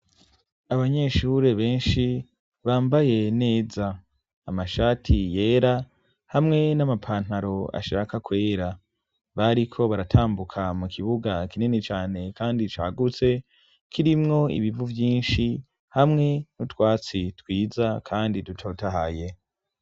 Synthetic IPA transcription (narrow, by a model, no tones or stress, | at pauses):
aβaɲe̞ʃuːɾe̞βe̞ːnʃi | βaːmbaje̞ne̞ːzaː | amaʃaːtʰije̞ːɾa | hamŋe̞namapʰaːn̥haɾo̞a̰ʃa̰ːkakwe̞ːɾa | βaɾikʰo̞βaɾatʰaːmbukʰamukʰiβuɡakininet͡ʃaːne̞kaːndit͡ʃa̰ːɡut͡se̞ | kʰiɾimŋo̞ḭβivuvjiːnʃi | hamŋe̞nutwaːt͡sitwiːzakʰaːndidutʰotaɦaje̞